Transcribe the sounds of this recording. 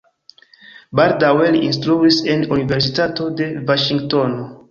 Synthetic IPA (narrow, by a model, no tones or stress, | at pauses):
baɾdawelins̬tɾuisenuniveɾsitato̞de̞vaʃiŋɡtono